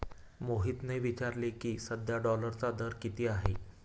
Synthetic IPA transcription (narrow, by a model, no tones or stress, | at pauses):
moɦiːt̪neʋit͡ɕaɾlekiːsəd̪jaɖɔləɾt͡sad̪əɾkit̪iːaɦḛ